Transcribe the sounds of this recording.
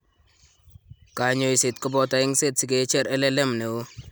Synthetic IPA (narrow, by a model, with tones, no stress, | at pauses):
ka˨ɲo˨i˨se˨tkɔ˦bɔ˨ta˨ɪ˦ŋse˦tsi˨ɡe˨˦t͡ʃɛ˦ɾɛ˦lɛ˦lɛ˦mne˨wo˦